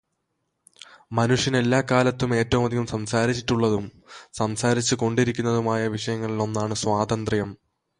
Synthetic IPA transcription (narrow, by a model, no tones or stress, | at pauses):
mɐnuʂjɐne̞lːaːkaːlɐt̪ːume̞ːtːɐʋumɐd̪ʱiɣumsɐmsaːɾit͡ɕːiʈːuɭːɐðum | sɐmsaːɾit͡ɕːɨko̞ɳɖiɾikʲːunːɐðumaːjɐʋiʂɐjɐŋːɐɭilo̞nːaːɳɨswaːd̪ɐnd̪rɐjɐm